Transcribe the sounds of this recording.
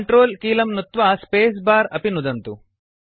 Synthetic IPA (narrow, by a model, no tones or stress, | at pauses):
ɳʈɾoːlkiːlɐmnut̪ʋaspeːs̬baːɾɐpinud̪ɐnt̪u